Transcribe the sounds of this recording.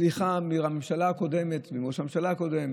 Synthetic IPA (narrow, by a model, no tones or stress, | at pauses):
liχamiʁamemʃalaːko̞d̪e̞met̪vimoʃamemʃalako̞d̪eme